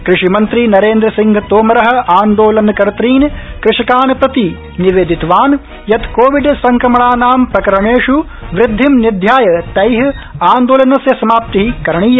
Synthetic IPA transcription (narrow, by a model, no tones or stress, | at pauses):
kɾɪʂimɐnt̪ɾinɐɾeːnd̪ɾɐsiŋɡʱɐt̪oːmɐɾɐɦɐ̆aːnd̪oːlɐnɐkɐɾɐt̪ɾiːnkɾɪʂɐkaːnɐpɾɐt̪i | niʋeːd̪ʱit̪ʋaːn | jɐt̪koːʋiɖsɐŋkɾɐmɐɳaːnaːmpɾɐkɐɾɐɳeːʂu | ʋɾɪd̪ʱːimnid̪ʱjaːjɐt̪ɐjɦaːnd̪oːlɐnɐsjɐsɐmaːp̚t̪iɦikɐɾɐɳiːjɐ